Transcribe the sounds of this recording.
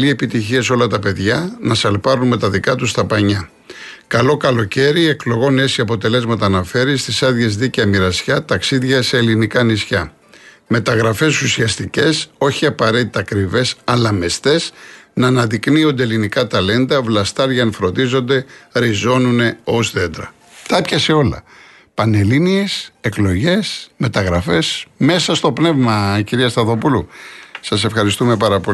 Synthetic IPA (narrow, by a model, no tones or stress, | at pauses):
lie̞pit̪içie̞so̞lɐt̪ɐpe̞ðʝɐnɐsɐlpɐɾunme̞t̪ɐðikɐt̪ust̪ɐpɐɲɐ | kɐlo̞kɐlo̞ce̞ɾie̞klo̞ɣo̞ne̞siɐpo̞t̪e̞le̞zmɐt̪ɐːnɐfe̞ɾist̪isɐðʝe̞zðicɐmiɾɐsçɐt̪ɐksiðʝɐse̞ːlinikɐnisçɐ | me̞t̪ɐɣɾɐfe̞susiɐst̪ice̞so̞çiɐpɐɾe̞t̪it̪ɐːkɾive̞sɐlɐmest̪e̞snɐːnɐðiknio̞nd̪elinikɐt̪ɐle̞nd̪ɐvlɐst̪ɐɾʝɐnfɾo̞nd̪izo̞nd̪e̞ɾizo̞nune̞o̞sðe̞nd̪ɾɐ̰ | t̪ɐpçɐse̞o̞lɐ̰ | pɐne̞liniese̞klo̞ʝe̞sme̞t̪ɐɣɾɐfe̞sme̞sɐst̪o̞pne̞vmɐiciɾiɐst̪ɐðo̞pulusɐse̞fxɐɾist̪ume̞pɐɾɐpo